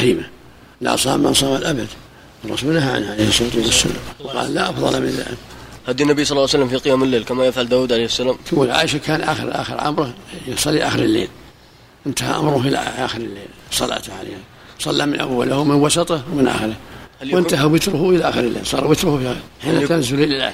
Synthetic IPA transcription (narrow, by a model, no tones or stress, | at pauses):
iːma | la̰sˤɑ̰ːmːa̰nsˤɑːmalʔabad̪ | rˤːɑ̰sulnahaʕ̰nʕaleːhsˤːoːt̪ˤilasːʊ̰nːawqɑ̰ːlːaʔɑfðˤɑ̰lʔamn̰lʔa̰mhad̪inːabisˤɑlːɑːsalːamfiqɨjaːmɪlːeːlkamajafʕald̪aːwuːd̪ʕalejhsːalaːmʕa̰ːʔʃakaːnʔa̰ːxəɾʔa̰ːxəɾʕa̰mɾˤahsˤɑlːiʔaːxəɾɪlːḛːl | ʔɪnt̪aha̰ʔa̰mɾˤʊʔɪla̰ʔʔaːxəɾɪlːeːlsˤɑla̰ʕt̪ʕa̰lḛːha | sˤɑlːamɪnʔa̰wːalahwmɪnwɑsɑt̪ˤɑhwmɪnʔa̰xɪɾɪhhawʔɪnt̪aɦawɪt̪ɾʊhuʔɪlaʔaːxəɾɪlːḛːlsˤɑːɾˤwɪt̪ɾʊhfihaħiːnakaːnzʊlilɪlʕa̰